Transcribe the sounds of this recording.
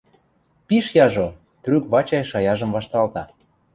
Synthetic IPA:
piʃjɑʒo | t̪rykβɑt͡ɕɑjʃɑjɑʒə̆mvɑʃt̪ɑlt̪ɑ

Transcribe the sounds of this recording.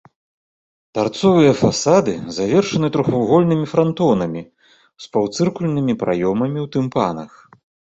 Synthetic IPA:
d̪̥art̪sɔvɨjɐfasad̪ɨzavʲɛrʂɐnɨt̪ɾuxawɣɔlʲnɨmʲifɾant̪ɔnɐmʲi | spawt̪sɨrkulʲnɨmʲipɾʔa̰jɔmɐmʲiwt̪ɨmpa̰nɐ̰x

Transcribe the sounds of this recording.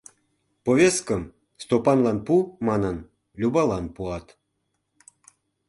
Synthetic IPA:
povʲeskəm | st̪opɑnlɑnpumɑnən | lʲubɑlɑnpuɑt̪

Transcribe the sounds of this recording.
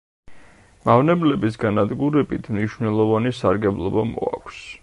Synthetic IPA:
mavnɛblɛbisɡanad̪ɡuɾɛbit̪ʰmniʃvnɛlˠɔvanisaɾɡɛblˠɔbamɔ̰a̰kʷʰs

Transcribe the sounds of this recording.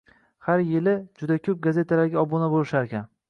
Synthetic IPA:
haɾjɪlɪd͡ʒʊd̪akʲʰɵp̚ɡaze̞t̪ʰalaɾɡʲaɒbonabolɪʃaɾkʲan

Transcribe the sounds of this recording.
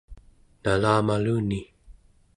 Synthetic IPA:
nalaːmaluːni

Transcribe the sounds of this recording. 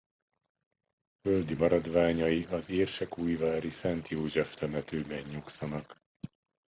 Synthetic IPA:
føld̪imɒɾɒd̪ʋaːɲɒjiʔɒzeːrʃɛkuːjvaːɾisɛnt̪joːʒɛft̪ɛmɛt̪øːbɛɲːuksɒnɒk

